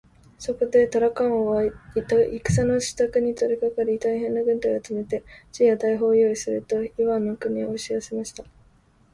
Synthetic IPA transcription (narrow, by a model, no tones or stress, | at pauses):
so̞ko̞d̪e̞t̪oɾakãɰ̃oβat̪aikɯ̟̥sano̞ɕi̥t̪akɯ̟ɲ̟it̪o̞ɾʲikakaɾʲit̪aiɦẽ̞nːaɡɯ̟̃nt̪aiat͡sɨme̞t̪e̞t͡ɕijat̪aiɦo̞ːjo̞ːisɨɾɯ̟t̪o̞iβãnːokɯ̟ɲ̟iooɕiasemaɕi̥t̪a